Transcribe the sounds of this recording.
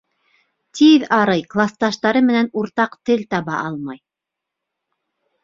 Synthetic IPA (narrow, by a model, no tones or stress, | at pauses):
t̪ʰiðɑɾɤjklˠast̪ɑʃt̪ɑɾɤmɘ̆nænuɾt̪ɑqt̪ɘlt̪ɑβɑʔɑlˠmɑj